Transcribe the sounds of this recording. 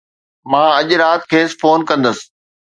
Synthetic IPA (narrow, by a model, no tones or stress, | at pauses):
mãːɐʄʊɾaːt̪kʰeːsfoːnkɐ̃nd̪əsɪ̥̆